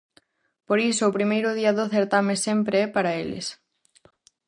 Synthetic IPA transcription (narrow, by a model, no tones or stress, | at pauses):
poɾisʊːpɾimejɾʊð̞iɐðoθeɾt̪amesempɾeɛpaɾɐelɪ̰s